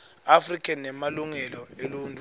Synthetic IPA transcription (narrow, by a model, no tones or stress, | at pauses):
afrikʼɛnɛmaluŋɛlɔeluntʼu